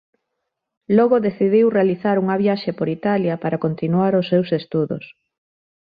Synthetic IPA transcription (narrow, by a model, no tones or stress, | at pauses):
lɔɣoðeθiðiwrealiθaɾuŋɐβjaʃepoɾit̪aljapaɾakont̪inuaɾosːewsest̪uðo̰s